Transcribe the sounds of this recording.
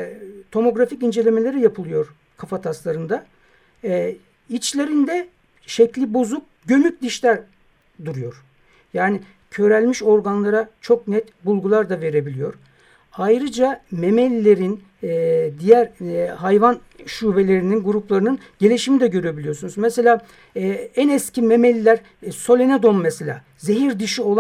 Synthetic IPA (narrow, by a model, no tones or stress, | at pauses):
t̪ʰo̞mo̞ɡɾaficind͡ʒe̞lʲe̞me̞lʲe̞ɾijapʰɯlˠɯjo̞ɾ | kʰafat̪ʰaslˠaɾɯnd̪a | it͡ʃlʲe̞ɾind̪ɛ | ʃɛclʲibozup̚ɟø̞myt̪̚ʲd̪iʃlʲæɾ | d̪uɾujo̞ɾ̥ | jaːni | cʰø̞ɾælʲmiʃo̞ɾɡanlˠaɾat͡ʃʰo̞k̚nɛt̪bulˠɡulˠaɾd̪ave̞ɾe̞bilʲijo̞ɾ | ajɾɯd͡ʒamemelʲːe̞ɾin | d̪ijæɾɦajvan | ʃuːve̞lʲe̞ɾininɡuɾuplˠaɾɯnɯn | ɟe̞lʲiʃimid̪ɛɟø̞ɾyebilʲijo̞ɾsunuzmɛse̞lʲaː | ænɛscʰimemelʲːæɾ | so̞lʲened̪o̞mmɛselʲa̰ː | ze̞ɦiɾd̪iʃio̞lˠ